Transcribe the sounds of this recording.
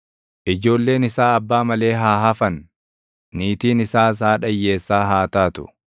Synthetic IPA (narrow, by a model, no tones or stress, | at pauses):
ʔɪd͡ʒo̞ːlːe̞ːnɪsaːɐbːaːmɐle̞ːɦaːɦɐfɐnː | iːt̪iːnɪsaːs̬aːᶑɐjːe̞ːsːaːɦaːt̪aːt̪ʊ̥̰